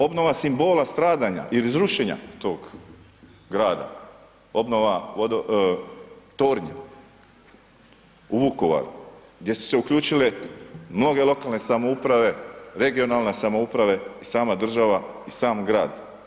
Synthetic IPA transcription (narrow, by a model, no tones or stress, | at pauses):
o̞bno̞ʋasimbo̞ːlast̪ɾaːd̪aɲa̰ʔilizɾuʃeɲa̰t̪o̞ːɡ | ɡɾaːd̪a̰ | o̞bno̞ʋaʋod̪o | t̪oːɾɲe | uʋuko̞ʋa̰ɾḭ | ɡd̪ʲje̞su̥se̞ukʎuːt͡ʃilemno̞ɡe̞lˠo̞kalˠne̞samo̞upɾaʋe̞ɾe̞ɡio̞nalne̞samo̞upɾaʋe̞isaːmad̪r̩ʒaʋaisaːmɡɾaːd̪